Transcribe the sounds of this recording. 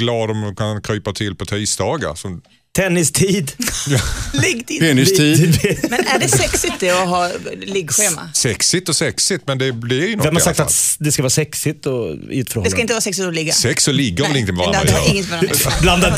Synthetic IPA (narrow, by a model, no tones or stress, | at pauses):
ɡlɑːd̪ɔmkʰankʰɾyːpat̪ʰɪlpʰɔt̪ʰiːsd̪ɑːɡa̰ɾsɔm | t̪ʰɛnːɪst̪ʰiːd̪jlɛŋt̪ɪɛnɪst̪iːmɛnæɖɛsɛksɪt̪̚ːɛɔɦɑːlɪɡɧeːma̰sɛksɪt̪ɔsɛksɪt̪mɛnd̪ɛd̪ɛːɾjnɔvɛmhasakt̪ad̪ɛskavɑːɾsɛksɪt̪ɔʉ̟ːt̪fɾoːd̪ɛskkaɪnt̪əvɑːɾsɛksɪt̪ɔlɪɡːasɛksɔlɪɡːəɾɛlɪŋt̪ɪmɛvaɾand̪a̰ɪŋːət̪vɑɾabland̪ad̪